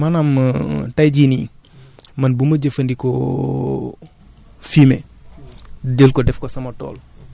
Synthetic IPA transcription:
manɐmtajɟinḭ | mɐnbumɐɟəfɐndikɔ | fimḛ | delkɔdɛfkɔsɐmɐtɔ̰ːl

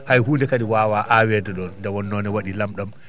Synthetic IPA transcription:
hajɦuːndɛkaɗiwaːwaːʔawɛdɛɗɔnndɛwɔnːɔnɛwaɗilamɗam

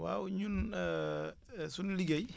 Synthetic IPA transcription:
wa̰wɲun | sunliɡej

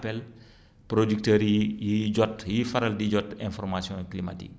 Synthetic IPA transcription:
pɛl | pɾodyk̚təɾijiɟɔtjifɐɾɐldiɟɔtɛ̃nfɔɾmasijɔ̃klima̰tḭk̚

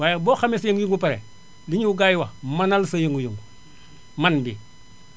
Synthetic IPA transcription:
waːjbɔːxamesjəŋɡujuŋɡupaɾe | liɲuuɡajwamanalsajuŋɡujuŋɡu | manbi

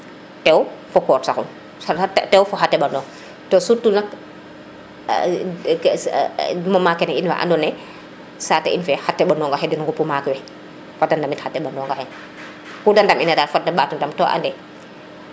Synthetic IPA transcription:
tɛwfɔkɔːɾsaxṵn | tɛwfɔɦatːɛɓandɔːŋ | tɔsutːulnak | mɔmakːɛnɛinfa̰ʔa̰ndɔnɛ | saːtːɛ̰ʔḭnfɛhatːɛɓandɔŋɡahɛdɛnŋɡɔpumaːkɛwɛ | fadandamithatːɛɓandɔŋɡahɛ | kudandaminadafadaɓatundamtɔʔa̰ndɛ

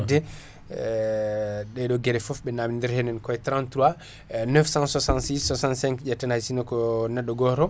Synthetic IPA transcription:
dɛ | ɗɛɗɔɡɛɾɛfɔfbɛnamindɛɾhɛnɛnkɔɛtɾãntɾuwa | nɛfsãnswasãnsiswasãnsɛ̃ŋkd͡ʒɛtːɛnajsinɔkɔnɛɗːɔɡɔɾɔ

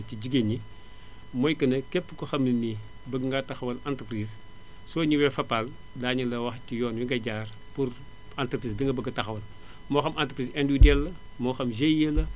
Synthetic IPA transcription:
ciɟiɡeni | mɔjkɐnɐkɛpːkɔxɐmlini | bəɡŋɡɐtɐxwɐlantəpɾis | sɔːɲiwɛfɐpːal | daːɲɐlɐwɐxcijɔːnwiŋɡɐɟaːr | pur | antpɾiːsbiŋɡɐbəɡɐtɐxɐwɐl | mɔːxɐmʔantəpɾisɛndudɛlːɐ | mɔxɐmʒejelːɐ

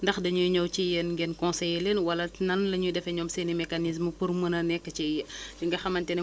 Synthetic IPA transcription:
ndɐxdɐɲujɲɔwt͡ʃijɛnɡɛnkɔ̃sɛjlenwɐlɐnɐnlɐɲudɛfɛɲɔmsenimɛkanis̬məpurmənɐnɛkːɐt͡ʃijɐd͡ʒiŋɡɐxɐmɐntɛnɛ

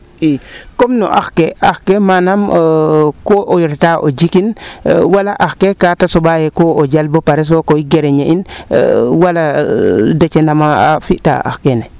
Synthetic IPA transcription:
ikomno̰ʔa̰xkeaxkemanam | koʔojiɾtaʔo̰d͡ʒikinwalaʔaxkekatasobajekood͡ʒalbopaɾes̬okoiɡeɾeɲein̰ | waladet͡ʃenamaafiʔta̰a̰xkene

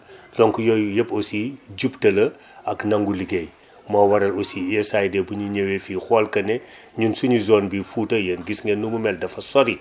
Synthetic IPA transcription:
lɔŋkujɔjɐposiɟuptɐlɐ | ɐknɐŋɡuliɡej | mɔwɐɾɐlosiɛsajdɛbuɲuɲewefiːxɔːlkɐnɛ | ɲunsuɲizɔːnbifutɐjɐnɡisŋɡɛnːuŋumɛldɐfɐsɔɾi

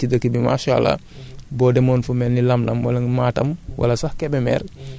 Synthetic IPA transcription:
tidɐkibima̰ʃa̰la̰ | bɔdɛmɔːnfumɛnːilɐmlɐ̰mwalɐŋmaːtɐ̰mwʔa̰lɐsahkɛbɛmɛ̰ːɾ

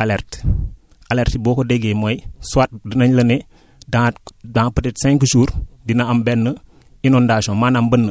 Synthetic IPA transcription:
aleɾt | aleɾtiboːkodeɡemojswat̚dənɐɲləne | dadãŋpətetsɛ̃ŋkʃuːɾdinambɛnːə | inondaʃõmanambənːə

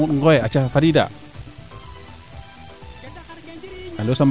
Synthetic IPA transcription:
utŋɡɔɛat͡ʃafadida̰ | alosam

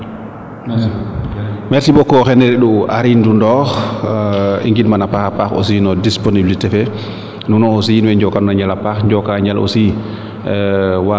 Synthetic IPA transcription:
mɛɾsibɔkːɔxɛnɛɾɛɗua̰ɾindundɔx | ḭŋɡidmanapaxapaxɔ̰sinɔdisponibilitɛfɛ | nunɔɔs̬inwɛɲd͡ʒɔkanunaɲalapaxɲd͡ʒɔkaɲalʔo̰si | wa

